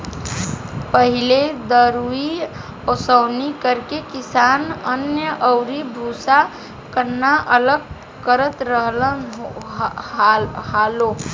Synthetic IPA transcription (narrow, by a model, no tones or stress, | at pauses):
pəɦiled̪əɾui | ɔsəʊnikəɾkekisanənjəʔəʊɾibʱusa | kəɾnnːaʔələɡ̚ | kəɾət̪ɾəɦlə | halo